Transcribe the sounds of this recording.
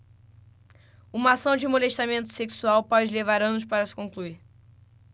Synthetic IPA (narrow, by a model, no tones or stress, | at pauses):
ũmɐasɐ̃w̃d͡ʒɪmoleʃt̪amẽnt̪ʊ̥seksuawpɔd͡ʒɪlevaɾɐ̃nʊʃpaɾɐsɪ̥kõŋkluiɾ